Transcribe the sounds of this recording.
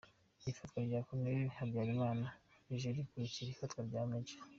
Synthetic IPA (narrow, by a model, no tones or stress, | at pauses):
iifatɡwaɾɟaːkoneihabjaːɾimaːnaɾiʒeɾikuɾicijeifatɡwaɾɟaːmeɟe̥